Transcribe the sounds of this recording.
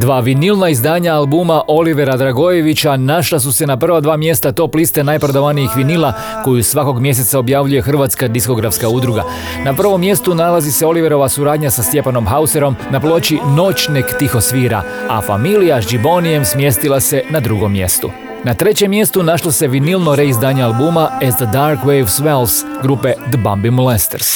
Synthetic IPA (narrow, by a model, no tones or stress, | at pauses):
d̪ʋaːʋinilnaizd̪aːɲaalbumaʔo̞liʋe̞ɾad̪ɾaɡo̞je̞ʋit͡ɕanaʃlas̬use̞napr̩ʋad̪ʋaːmje̞st̪at̪o̞plist̪e̞najpɾod̪aʋanijixʋinila | ko̞jusʋako̞ɡmje̞s̬e̞t̪sao̞bjaʋʎuje̞xr̩ʋat̪skad̪isko̞ɡɾafskaud̪ɾuɡa̰ | napr̩ʋo̞mːje̞st̪unalaziseo̞liʋeɾo̞ʋasuɾaːd̪ɲasast̪je̞pano̞mxause̞ɾo̞mnaplˠo̞t͡ɕino̞t͡ɕnekt̪ixo̞sʋiːɾa̰afa̰milijazd͡ʒibo̞nije̞msmje̞st̪ilˠase̞nad̪ɾuɡo̞mːje̞̰st̪u | nat̪ɾe̞t͡ɕe̞mːje̞st̪unaʃlˠose̞ʋinilˠno̞ɾe̞izd̪aːɲealˠbuːmaezd̪əd̪aɾkʋejʋsʋelsɡɾupe̞d̪bambimulest̪eɾs